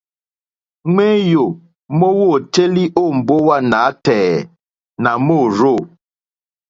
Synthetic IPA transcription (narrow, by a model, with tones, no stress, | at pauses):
ŋe˦jo˨ | mo˦wo˦˨te˦li˦ʔo˦˨m̩˨bo˦wa˦˨na˨˦tɛː˨ | na˨mo˦˨ɾo˦˨